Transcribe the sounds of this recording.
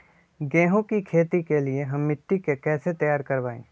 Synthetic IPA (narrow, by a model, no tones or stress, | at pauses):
ɡɛ̃ːɦõkikʰeːt̪ikelieɦɐmːɪʈːikekɛːset̪ɐjaːɾkɐɾbaːḛ̃ː